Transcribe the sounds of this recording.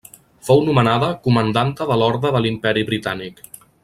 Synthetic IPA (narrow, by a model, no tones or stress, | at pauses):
fownumənaðəkumənd̪ant̪əðəlɔɾðɾəðəlimpɛɾiβɾit̪anik